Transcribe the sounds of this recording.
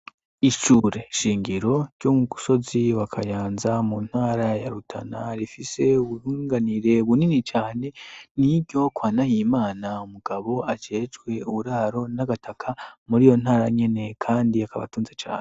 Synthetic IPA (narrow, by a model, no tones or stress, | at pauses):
iʃuːɾe̞ʃiːŋɡiɾo̞ɾɟ̥omuɡuso̞ziβakʰajaːnzamun̥haːɾajaɾutʰa̰naɾifise̞uβuhuːŋɡaniɾe̞βuninit͡ʃaːne̞nibɟo̞kwaːnajimaːnaumuɡ̥aβo̞ad͡ʒe̞ːd͡ʒɡwe̞uβuɾaːɾo̞naɡatʰakʰamuɾijo̞n̥haːɾaɲe̞ne̞kʰaːndiakaβa̰tuːnzet͡ʃa̰ːne